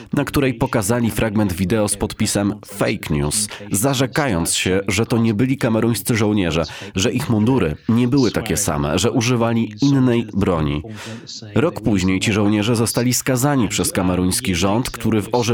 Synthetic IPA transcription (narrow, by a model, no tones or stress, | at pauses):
nakt̪uɾɛjpɔkazalʲifɾʔaɡmɛnd̪vʲid̪ɛɔspɔt̪pʲisɛm | fɛjkɲṵszaʐɛkajɔnt̪sɕɛʐɛt̪ɔɲɛbɘlʲikamɛɾuj̃st̪sɘʐɔ̃wɲɛʐɛʐɛʔixmund̪uɾɘ̰ɲɛbɘwɘt̪akʲɛsa̰mɛ̰ʐɛʔuʐɘvalʲiinːɛjbɾɔɲḭ | ɾɔkpuʑɲejt͡ɕiʐɔ̃wɲɛʐɛzɔst̪alʲiskazaɲipʂɛskamɛɾuj̃skʲiʐɔnt̪kt̪uɾɘvɔʐ